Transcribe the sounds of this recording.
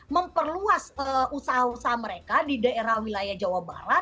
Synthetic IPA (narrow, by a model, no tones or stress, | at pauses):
məmpərluasəusaɦausaɦaməɾekadidaeɾahwilajahd͡ʒawaba̰ɾat̪